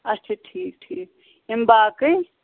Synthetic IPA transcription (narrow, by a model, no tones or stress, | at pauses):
ɐt͡ʃʰeʈʰiːk̚ʈʰiːk̚ | imbaːkəj